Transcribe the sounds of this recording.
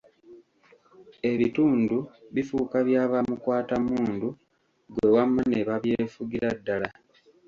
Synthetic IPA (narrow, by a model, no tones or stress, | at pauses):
e̞βituːnduβifukaβjaːβamukwaːtamuːndu | ɡwe̞wamːaneβaβje̞ːfuɡiɾadːala